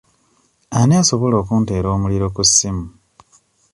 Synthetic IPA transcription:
aneaso̞βo̞lo̞ːkunte̞ːɾo̞ːmuliɾo̞kusːimu

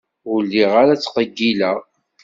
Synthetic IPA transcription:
ʊlːiʁaɾat͡sːqəɡːilæʁ

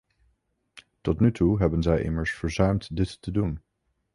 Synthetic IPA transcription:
tɔtnytuɦɛbənzɛjʔɪ̰məɹsfəɹzœɥmtdɪtːədun

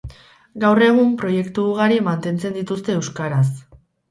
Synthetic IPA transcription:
ɡawre̞ɣ̞umpɾo̞je̞kt̪uːɣaɾimant̪e̞nt͡se̞nd̪it̪ust̪e̞ːwskaɾas

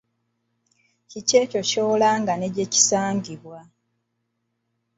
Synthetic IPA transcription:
cice̞ːco̞co̞ːlaːŋɡane̞ɟe̞ci̥saːŋɟiβwa

